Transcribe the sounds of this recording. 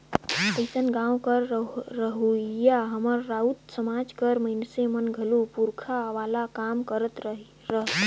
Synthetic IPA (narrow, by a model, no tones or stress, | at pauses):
əɪsənɡãwkəɾɾəɦujaɦəməɾːaut̪səmad͡ʒkəɾməɦinsemənɡʱəlupuɾkʰaʋalakamkəɾət̪ | ɾəɦət̪